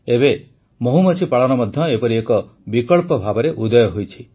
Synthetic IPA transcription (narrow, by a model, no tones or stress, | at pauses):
ebe | moɦumɔt͡ʃʰipaɭɔñɔmɔd̪ʱjɔepɔɾiekɔ | bikɔɭpɔbʱabɔɾeʔud̪ɔjɔɦojt͡ʃʰi